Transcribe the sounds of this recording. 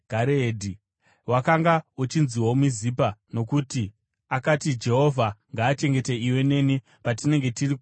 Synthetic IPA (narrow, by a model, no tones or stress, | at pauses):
ɡʱaɾeeːdʱi | wakaŋɡaut͡ʃinziwomizipano̞kuti | akatid͡ʒe̞ɦo̞vʱaŋɡaːt͡ʃe̞ŋɡe̞te̞iwe̞ne̞ni | patine̞ŋɡe̞tiriku